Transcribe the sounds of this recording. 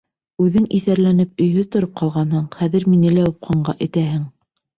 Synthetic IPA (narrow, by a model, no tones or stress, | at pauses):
ʉðɘŋʔiθæɾlænɘp̚ɵ̆jɦɵðt̪ŏɾop̚qɑlˠʁɑnhɤɴχæðɘɾminɘlæup̚qɑɴɢɑʔɘ̆t̪æɦɘŋ